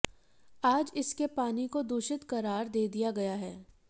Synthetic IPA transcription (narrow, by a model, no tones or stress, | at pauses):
aːd͡ʒɪskepaːnikod̪uːʃɪt̪kɐɾaːɾd̪eːd̪ijaɡɐjaɦɛː